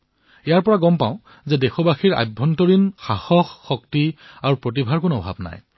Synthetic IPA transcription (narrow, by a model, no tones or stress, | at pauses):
ɛjaɹpɔɹaɡɔmpa̰ʊ̃ | zɛdexɔbaxiɹa̰bʱːɔntɔɹinxaxɔxːɔktiaɹupɹot̬ibʱaɹkʊnɔbʱa̰bna̰j